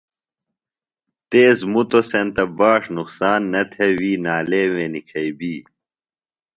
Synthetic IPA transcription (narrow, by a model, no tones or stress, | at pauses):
t̪eːzmut̪osent̪ɐbaːʂnuqsaːnːɐt̪ʰewiːnaːleːwẽnikʰɐibiː